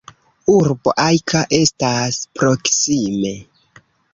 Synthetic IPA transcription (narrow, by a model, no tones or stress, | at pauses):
uɾbo̞̰ʔajkʰaʔe̞staspɾo̞ksime̞